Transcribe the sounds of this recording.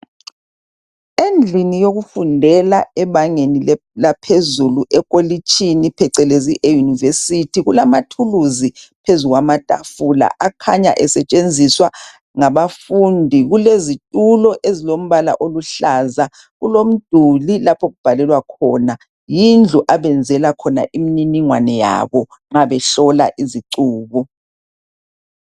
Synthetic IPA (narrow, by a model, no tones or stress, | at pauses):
end͡ɮʱinijoɣufundʱɛlaɛβaŋeni | lapʰezuluʔɛkʼolit͡ʃʼinipʰɛǀɛleziʔejunivesitʰiɣulamatʰuluzipʰezuɣwamatʼa̰fula̰ʔakʰaɲa̰ʔɛsɛt͡ʃʼend͡zʱiswa | ŋaβafundʱiɣulezitʼulɔʔezilom̩βala̰ʔoluɬaːza | ɣulom̩d̥ʱulilapʰɔɣub̥ʱalɛlwakʰɔna | jind͡ɮʱuʔaβɛnd͡zʱɛlakʰɔna̰ʔimininiŋwa̰nɛja̰βɔ | ŋ͡ǁaβɛɬɔlaʔiziǀuːβu